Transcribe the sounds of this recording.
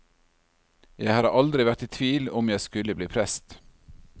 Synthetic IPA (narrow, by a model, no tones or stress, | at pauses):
jæɪhɑːɾʔɑld̪ɾɪʋæɾt̪iːt̪ʰʋiːlɔmjæɪskʉləbliːpʰɾɛst̪